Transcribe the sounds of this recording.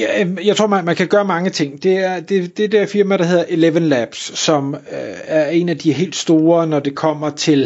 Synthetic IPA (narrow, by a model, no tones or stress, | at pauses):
jɑ̈ɪt͡sʰʁo̝̰mnmænkʰæɡ̥ɶːɐmɑ̈ŋət͡sʰe̝ŋ̰d̥e̝æɐd̥e̝d̥e̝d̥ɛɐfiɐmæɾ̥ɑ̈he̝ð̰ˠɐʔe̝leʋənlæb̥sːɒ̽mæɐe̝næd̥iɦe̝̰ːld̥sd̥o̝ːɐnɒd̥e̝kʰɒ̽m̰ɐt͡sʰe̝l